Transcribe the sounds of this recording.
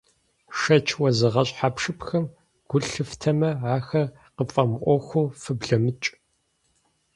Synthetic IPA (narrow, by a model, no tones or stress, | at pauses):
ʂɐt͡ʃʰwɐzɨʁɐɕʼħaːpʂɨpxɐm | ɡ̥ʷʊɬɨftʰɐmɐʕaːxɐ | qəfʼɐmʔʷɔxʷuːfɨbɮɐmɨt͡ʃʼ